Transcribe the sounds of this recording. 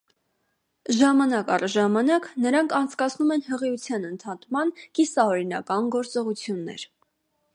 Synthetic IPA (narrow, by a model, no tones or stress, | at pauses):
ʒɑmɑnɑkɑrʒɑmɑnɑknəɾɑŋkʰɑnt͡sʰkɑt͡sʰnumɛnhəʁiut͡sʰjɑnənt̪ʰɑt̪mɑnkisɑɔɾinɑ̰kɑnɡɔɾt͡sɔʁut͡sʰjunːɛ̰ɾ